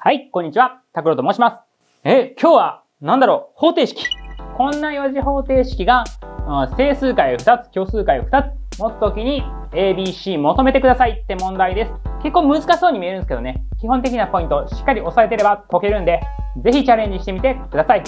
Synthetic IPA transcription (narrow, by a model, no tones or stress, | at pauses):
haikoɲ̟ːit͡ɕiβat̪akɯ̟ɾo̞t̪omo̞ːɕimasɨ̥ | eːkʲʰo̞ːβa | nãnd̪aɾo̞ːho̞ːt̪e̞ːɕi̥kʲi̥kõ̞nːajoʑiɦo̞ːt̪e̞ːɕi̥kʲiɡa | se̞ːsɨːkaioɸɯ̟̥t̪at͡sɨ̥kʲo̞ːsɨːkaioɸɯ̟̥t̪at͡sɨ̥mo̞t̪o̥t̪okʲiɲ̟i | eːbʲiːɕiːmo̞t̪o̞me̞t̪e̞kɯd̪asait̪ːe̞mõ̞nd̪aid̪e̞sɨ̥ke̞kːoːmɯ̟zɨkaɕiso̞ːɲ̟imʲie̞ɾɯnesɨ̥ked̪one̞kʲiɦõnt̪̬e̞kʲinapo̞ĩnt̪o̞ɕi̥kːaɾʲio̞saet̪e̞ɾe̞bat̪o̞ke̞ɾɯ̟̃nd̪e̞ze̞çit͡ɕaɾẽ̞ɲ̟d͡ʑiɕi̥t̪e̞mʲit̪e̞kɯ̟d̪asai